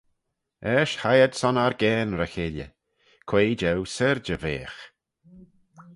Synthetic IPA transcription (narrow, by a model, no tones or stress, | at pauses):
ɛːʃhajəd̪̥sɔnaɾɡɛːnɾəxeljə̰ | kʰw̥eːd͡ʒɛwsəɾd͡ʒəveːx